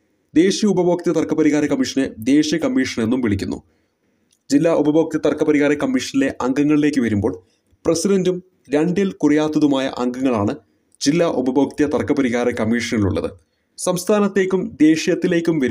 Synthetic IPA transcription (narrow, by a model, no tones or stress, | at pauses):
d̪e̞ːɕijɐubɐbo̞ːk̚t̪jɐt̪ɐrkɐpɐɾiɣaːɾɐkɐmːiʂɐnɨd̪e̞ːɕijɐkɐmːiːʂɐne̞nːumʋiɭikʲːunːṵ | d͡ʑilːaːʔubɐbo̞ːk̚t̪jɐt̪ɐrkɐpɐɾiɣaːɾɐkɐmːiːʂɐnile̞ʔɐŋɡɐŋːɐɭile̞ːkːɨʋɐɾumbo̞ːɭ | prɐsidɐndum | ɾɐɳɖilkurɐjaːt̪ːɐðumaːjɐ̰ʔɐŋɡɐŋːɐɭaːɳɨ | d͡ʑilːaːʔubɐboːk̚t̪jɐt̪ɐrkːɐpɐɾiɣaːɾɐkɐmiːʂɐnilṵɭːɐ̰ðɨ̰ | sɐmst̪ʰaːnɐt̪ːeːkʲːumd̪e̞ːʂjɐt̪ːile̞ːkʲːumʋɐɾ